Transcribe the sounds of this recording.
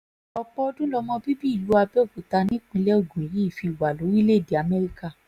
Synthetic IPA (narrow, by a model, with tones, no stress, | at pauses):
ɔ˧k͡pɔ˦ɔ˧dũ˦lɔ˧mɔ̃˧bi˦bi˦i˦˨lu˨˦a˧bɛ˦o˦˨ɡu˨˦ta˧nĩ˦k͡pĩ˧lɛ˦o˦˨ɡũ˨i˨ɾi˨˦˨fi˧˨wa˨lo˨˦ɾi˦le˦˨de˨a˨mɛ˦ɾi˦ka˦˨